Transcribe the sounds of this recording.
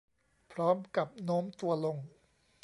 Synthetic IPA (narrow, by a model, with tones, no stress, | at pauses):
pʰɾɔː˦˥mka˨˩p̚noː˦˥mt̪u˧ɐlo˧ŋ